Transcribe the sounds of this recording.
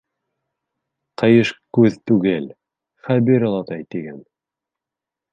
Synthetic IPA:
qɤ̆jɤʃkʉðt̪ʉɡɘl | χæβiɾɤ̆lˠɑt̪ɑjt̪iɡæn

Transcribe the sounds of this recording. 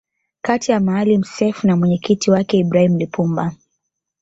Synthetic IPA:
katijamaalim̩sɛfunamwɛɲɛkitiwakɛibɾahim̩lipumba

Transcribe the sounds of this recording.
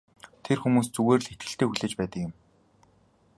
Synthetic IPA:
t̪ʰerxumuːst͡suɣeːrɮxet̪̚ɡɘ̆ɬt̪eːxuɮeːt͡ɕpæːt̪ə̆kjɪ̆m

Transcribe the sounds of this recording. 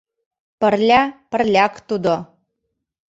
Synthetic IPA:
pə̆rlʲæpə̆rlʲækt̪ud̪o

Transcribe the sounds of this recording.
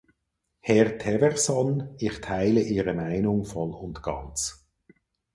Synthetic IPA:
hɛʁtʰɛvɛʁsɔnɪχtʰaɪləʔiːʁəmaɪnʊŋfɔlʊndɡ̥ɑ̰nt͡s

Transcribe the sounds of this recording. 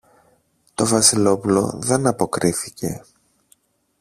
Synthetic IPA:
t̪o̞vɐsilo̞pulo̞̰ðe̞nɐpo̞kɾiθice̞

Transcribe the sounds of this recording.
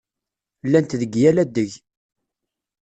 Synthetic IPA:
lːænt̪ðəɡjælæd̪ːəʝ

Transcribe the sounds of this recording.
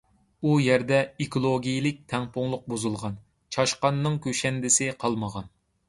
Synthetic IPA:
ujɛɾd̪ɛikʰolˠoɡʲijilɪk̚ʲt̪ʰɛŋpʊŋlˠʊq̚buzulˠʁɑn | t͡ʃʰɑʃqɑnːɨŋkʲʰøʃɛnd̪ɪsɪqʰɑlˠməʁɑn

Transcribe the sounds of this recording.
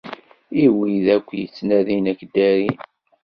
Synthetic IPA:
iwiðækʷːjət͡sːnæðinækd̪æɾi

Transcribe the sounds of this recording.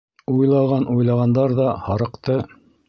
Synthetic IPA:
ujlˠɑʁɑnʔujlˠɑʁɑnd̪ɑɾðɑhɑɾɤ̆qt̪ɤ

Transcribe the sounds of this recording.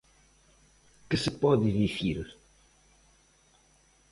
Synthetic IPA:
kɨsɨpɔðɨðisiɾ

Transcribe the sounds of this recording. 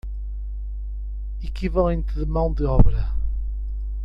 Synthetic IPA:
ikivɐlˠẽnt̪ɨðɨmɐ̃w̃d̪ɨɔβɾɐ

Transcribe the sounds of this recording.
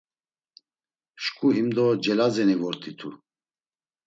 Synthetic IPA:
ʃkʼuimd̪ɔd͡ʒɛlazɛnivɔɾt̪ʼit̪ʰṵ

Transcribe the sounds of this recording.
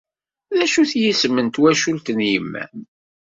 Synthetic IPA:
ðæʃuθjismənt̪wæʃult̪ənjəmːæ̰n

